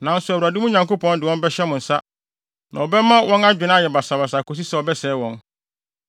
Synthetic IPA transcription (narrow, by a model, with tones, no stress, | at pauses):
nã˨n̩˦sʊ˨æ˨wɾa˨dɪ˦mũ˦ɲã˨ŋko˦pɔ̃˦n˦dɪ˨wɔ̃˦bɛ˦ɕɛ˦mʊ̃˨n̩˨sa˦ | nã˨ɔ˨bɛ˦mã˦wʔɔ̃˦na˦d͡ʑᶣɪ˨nã˦jɛ˨ba˨sa˨ba˨s̬a˨kʰo˨s̬i˦sɛ˦˨ɔ˨bɛ˦sɛː˨˦wɔ̃˦n